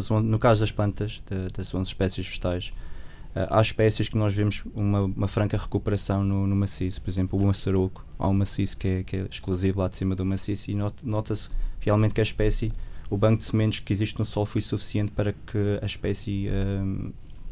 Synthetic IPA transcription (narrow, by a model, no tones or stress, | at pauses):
zõnukazuðɐʃplˠɐ̃nt̪ɐʃd̪ɐd̪ɐsõzʃpɛsjiʃfɨ̥ʃt̪ajʃ | a̰ʔa̰ʃpɛsjiʃknɔʒvemʊʃumɐumɐfɾɐ̃ŋkɐʁɨkupɨɾɐsɐ̃w̃nunumɐsisu̥pɔɾizẽmplˠumɐsɐɾoku̥a̰umɐsiz̥kɛkɛʃklˠuzivlˠad̪simɐðumɐsisinnɔt̪ɐsʁialˠmẽnt̪̚kɐʃpɛsiuβɐ̃ŋkud̪sɨmẽnt̪u̥ʃkiziʃt̪nusɔlˠfojsufi̥siẽnt̪̚pɐɾɐkʰɨɐʃpɛsiɛ